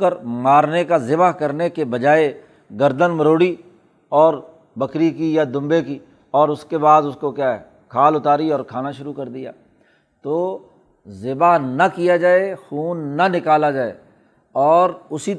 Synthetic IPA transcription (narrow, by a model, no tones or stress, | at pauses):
kəɾmaːɾnekazɪbaɦkɐɾnekebɐd͡ʒaːe | ɡɐɾd̪ənməɾoːɽi | ɔːɾ | bɐkɾikijad̪ʊ̃mbeki | ɔːɾʊskebaːd̪ʊskokjaːɦɛ | kʰaːlʊt̪aːɾiɔːɾkʰaːnaʃʊɾukɐɾd̪ija̰ː | t̪oː | zɪbaɦnɐkijad͡ʒaːexuːnːanɪkaːlad͡ʒaːḛː | ɔːɾʊsi